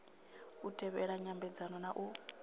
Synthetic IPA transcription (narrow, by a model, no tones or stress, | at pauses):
utʰɛβɛɺaɲambɛd͡zanɔnaʔu